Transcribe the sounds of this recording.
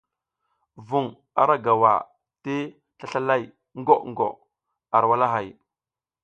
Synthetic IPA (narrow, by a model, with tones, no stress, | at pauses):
vu˨ŋ | a̰˨ɾa˦ɡa˨wa̰˨ | te˦ | ɬa˦ɬa˦la˦˨j | ŋ˦ɡo˦ŋ˨ɡo̰˨ | a˨ɾwa˦la˦ɦa˨j